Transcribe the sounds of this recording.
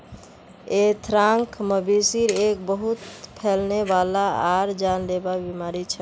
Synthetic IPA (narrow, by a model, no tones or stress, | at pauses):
et̪ʰɾãŋkʰməbisiɾek̚bəɦut̪pʰelnebalaaɾd͡ʒanlebabimaɾit͡ʃʰə